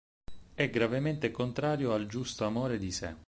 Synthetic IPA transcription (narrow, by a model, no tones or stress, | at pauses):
ɛɡɾavement̪ekont̪ɾaːɾjoald͡ʒust̪oamoːɾed̪isɛ